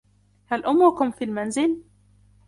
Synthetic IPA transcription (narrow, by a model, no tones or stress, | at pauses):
halʔʊmːʊkʊmfiːlmanzɪl